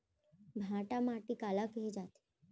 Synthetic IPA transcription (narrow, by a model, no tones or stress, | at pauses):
bʱãʈamaʈikalakɦed͡ʒat̪e̥